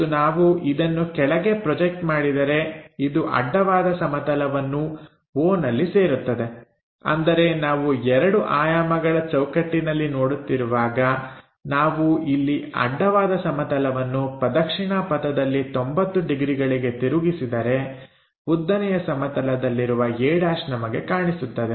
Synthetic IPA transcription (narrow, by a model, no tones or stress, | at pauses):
unaːʋuʔid̪ɐnːukɛɭɐɡe̞pɾɔd͡ʒek̚ʈmaːɽid̪ɐɾe̞id̪uʔɐ̰ɖːɐʋaːd̪ɐsɐmɐt̪ɐlɐʋɐnːu | woːnɐlːise̞ːɾut̪ːɐd̪e̞ | ɐ̰nd̪ɐɾe̞naːʋuɛɾɐɽuʔaːjaːmɐɡɐɭɐt͡ʃɐwkɐʈːinɐlːino̞ːɽut̪ːiɾuʋaːɡɐ | naːʋuilːiɐ̰ɖːɐʋaːd̪ɐsɐmɐt̪ɐlɐʋɐnːupɾɐd̪ɐkʂiɳapɐt̪ɐd̪ɐlːit̪ombɐt̪ːuɖiɡɾiɡɐɭiɡe̞t̪iɾuɡisid̪ɐɾe̞ | bud̪ːɐnɛjɐsɐmɐt̪ɐlɐd̪ɐlːiɾuʋɐeːɽaːʃnɐmɐɡe̞kaːɳisut̪ːɐd̪e̞